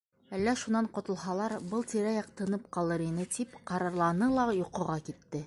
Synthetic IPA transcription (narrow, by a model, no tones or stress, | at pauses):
ælːæʃunɑɴqŏt̪ɤ̆lˠɦɑlˠɑɾbɤlˠt̪iɾæjɑq̚t̪ɤ̆nɤp̚qɑlˠɤɾinɘt̪ipqɑɾɑɾlˠɑnɤlˠɑjuqɤ̆ʁɑkit̪ːɘ